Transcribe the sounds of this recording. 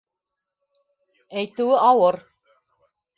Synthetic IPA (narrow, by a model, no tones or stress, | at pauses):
æjt̪ʉɘʔɑwɤɾ